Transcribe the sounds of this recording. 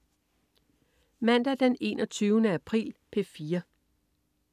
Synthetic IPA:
mæn̰d̥æd̥ene̝̰ːnʔɒ̽t͡sʰyːʊnəæpʰʁḭːlpʰe̝fiːɐ

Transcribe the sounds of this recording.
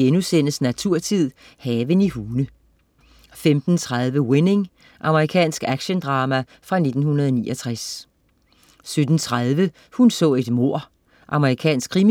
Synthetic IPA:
enusen̰əsnæt͡sʰuɐ̰t͡sʰið̞̰ˠ | hɛːʋənihuːnə | femd̥n̩t͡sʰʁað̞ˠʋəwe̝ne̝ŋ | ʔɑ̈məʁikʰɛ̰ːnsɡ̥æɡ̥ɕənd̥ʁɑ̈ːmæ | fʁɑ̈ne̝d̥n̩hunɐðˠɒnḭːʔɒ̽t͡sʰʁas | sød̥n̩t͡sʰʁaðˠʋə | hunsɔ̰̽ːe̝d̥mo̝ɐ̰ | ʔɑ̈məʁikʰɛ̰ːnsɡ̥ʰʁim

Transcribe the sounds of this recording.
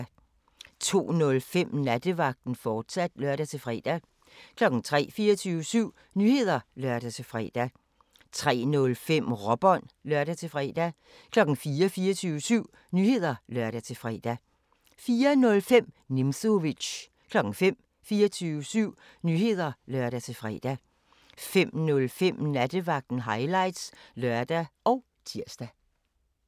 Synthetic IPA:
t͡sʰo̝̰ːnɔ̽lfem̰næd̥əʋɑ̈ɡ̥̚d̥n̩fɒːd̥sæd̥lɶɐ̰ɾ̥æt͡sʰe̝fʁɛ̰ːd̥æ | kʰlɒ̽ɡ̥n̩t͡sʰʁɛ̰ːfiːɐt͡sʰyːʊəsyʊ̰ | nyhe̝ð̞̰ˠɐlɶɐ̰d̥æt͡sʰe̝fʁɛ̰ːd̥æ | t͡sʰʁɛ̰ːnɔ̽lfem̰ʁɒ̽b̥ɒ̽n̰lɶɐ̰ɾ̥æt͡sʰe̝fʁɛ̰ːd̥æ | kʰlɒ̽ɡ̥n̩fiːɐfiːɐt͡sʰyːʊəsyʊ̰ | nyːhe̝ð̞̰ˠɐlɶɐɾ̥æt͡sʰe̝fʁɛ̰ːd̥æ | fiːɐnɔ̽lfem̰ | nemsoʋiɕ | kʰlɒ̽ɡ̥n̩fem̰ | fiːɐt͡sʰyːʊəsyʊ̰ | nyːhe̝ð̞̰ˠɐlɶɐ̰ɾ̥æt͡sʰe̝fʁɛ̰ːd̥æ | fem̰nɔlfem̰næd̥əʋɑ̈ɡ̥̚d̥n̩ɦɑ̈ɪlɑ̈ɪ̰d̥slɶɐd̥æʔɒ̽ʊ | t͡sʰiɐ̰sd̥æ

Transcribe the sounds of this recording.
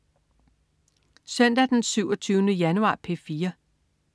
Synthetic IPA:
sœn̰d̥æd̥ensyʊɒt͡sʰyːʊnəjænuɑ̈ːpʰe̝fiːɐ

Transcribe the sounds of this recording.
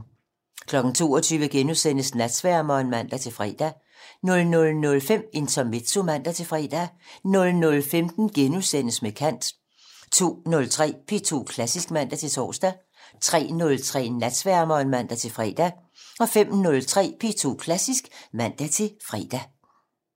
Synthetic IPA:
kʰlɒ̽ɡ̥n̩t͡sʰo̝̰ːɒt͡sʰyːʋəɡ̥enusen̰əsnæd̥sʋæɐ̰mɒnmæn̰d̥æt͡sʰe̝lfʁɛ̰ːd̥æ | nɔ̽lnɔ̽lnɔ̽lfem̰e̝nt͡sʰɒme̝d̥so̝mæn̰d̥æt͡sʰe̝fʁɛ̰ːd̥ænɔ̽lnɔ̽lfemd̥n̩ɡ̥enusen̰əsmekʰæn̰d̥ | t͡sʰo̝̰ːnɔ̽lt͡sʰʁɛ̰ːpʰe̝t͡sʰo̝̰ːkʰlæsisɡ̥mæn̰d̥æt͡sʰe̝t͡sʰɒ̰ːsd̥æ | t͡sʰʁɛ̰ːnɔ̽lt͡sʰʁɛ̰ːnæd̥sʋæɐ̰mɒnmæn̰d̥æt͡sʰe̝fʁɛ̰ːd̥æ | ɒ̽fem̰nɔ̽lt͡sʰʁɛ̰ːpʰe̝t͡sʰo̝̰ːkʰlæsisɡ̥mæn̰d̥æt͡sʰe̝fʁɛ̰d̥æ

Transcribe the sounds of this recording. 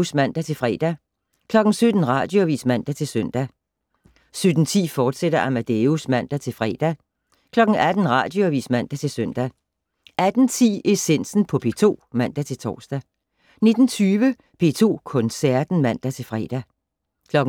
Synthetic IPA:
smæn̰d̥æt͡sʰe̝lfʁɛ̰ːd̥æ | kʰlɒ̽ɡ̥n̩sød̥n̩ʁɑ̰̈d̥joʋḭːsmæn̰d̥æt͡sʰe̝lsøn̰d̥æ | sød̥n̩t͡sʰḭːfɒːd̥seɾ̥ɐʔæmæd̥eusmæn̰d̥æt͡sʰe̝lfʁɛ̰ːd̥æ | kʰlɒ̽ɡ̥n̩æd̥n̩ʁɑ̰̈d̥joæʋḭːsmæn̰d̥æt͡sʰe̝lsøn̰d̥æ | ʔæd̥n̩t͡sʰḭːe̝sen̰sn̩pʰɒ̽pʰe̝̰ːt͡sʰo̝̰ːmæn̰d̥æt͡sʰe̝lt͡sʰɒ̰ːsd̥æ | ne̝d̥n̩t͡sʰyːʋə | pʰe̝̰ːt͡sʰo̝̰ːkʰɔ̽nsæɐ̰d̥n̩mæn̰d̥æt͡sʰe̝lfʁɛ̰ːd̥æ | kʰlɒ̽ɡ̥

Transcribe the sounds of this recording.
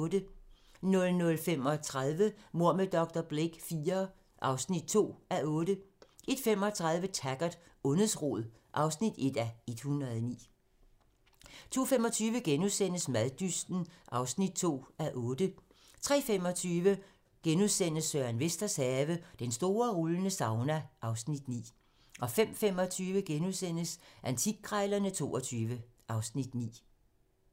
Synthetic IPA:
d̥ə | nɔ̽lnɔ̽lfem̰ɒt͡sʰʁaðˠʋəmo̝ɐ̰med̥ɒ̽ɡ̥̚d̥ɐb̥leɡ̥fiːɐ | ʔɑ̈ʊsnid̥̚t͡sʰo̝̰ːæʔɔ̽ːd̥əʔe̝d̥fem̰ɒ̽t͡sʰʁäð̞ˠʋət͡sʰæɡ̥ɐd̥ɔ̽nðˠsʁɔ̰ðˠ | ʔɑ̈ʊsnid̥e̝d̥æe̝d̥hunʁɐðˠnḭː | t͡sʰo̝̰ːfemɒ̽t͡sʰyːʋəɡ̥enuðˠsen̰əsmæðˠd̥ysd̥n̩ʔɑ̈ʊsnid̥̚t͡sʰo̝̰ːæʔɔ̽ːd̥ə | t͡sʰʁɛ̰ːfem̰ɒ̽t͡sʰyːʋə | ɡ̥enuðˠsen̰əsːøɐænʋesd̥ɐshɛːʋəd̥ensd̥o̝ːɐʁulənəsɑ̈ʊnæʔɑ̈ʊsnid̥nḭː | ʔɒ̽fem̰fem̰ɒ̽t͡sʰyːʋəɡ̥enuðˠsen̰əsʔænt͡sʰiɡ̥̚ɡʰʁɑɪlɐnət͡sʰo̝̰ːɒt͡sʰyːʋəʔɑ̈ʊsnid̥nḭː

